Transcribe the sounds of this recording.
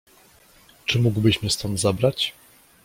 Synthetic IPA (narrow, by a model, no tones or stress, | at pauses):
t͡ʂɘmuɡwbɘɕmʲist̪ɔnt̪zabɾat͡ɕ